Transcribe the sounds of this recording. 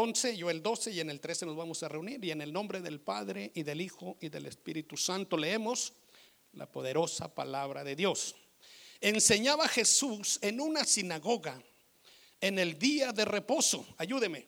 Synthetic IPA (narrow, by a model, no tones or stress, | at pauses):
onse̞ʝoeld̪o̞seiene̞lt̪ɾe̞seno̞zβamosare̞uniɾie̞ne̞lnõ̞mbɾe̞ðe̞lpaðɾe̞ʔiðe̞lixo̞ʔiðe̞le̞̰spiɾit̪usant̪o̞le̞emos | lʔa̰po̞ðe̞ɾo̞sapa̰laβɾaðe̞ðjo̞s | e̞nse̞ɲaβaxe̞suse̞nunasinaɣo̞ɣa | ene̞ld̪iaðe̞re̞po̞so̞aʝuðe̞me̞